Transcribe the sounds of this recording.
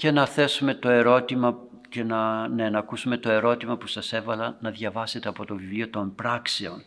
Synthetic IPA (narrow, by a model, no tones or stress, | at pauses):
ce̞nɐθe̞sume̞t̪o̞e̞ɾo̞t̪imɐ | ce̞nɐnenɐːkusume̞t̪o̞e̞ɾo̞t̪imɐpusɐse̞vɐlɐnɐðʝɐvɐse̞t̪e̞ɐpo̞t̪o̞vivlio̞t̪o̞mpɾɐkseo̞n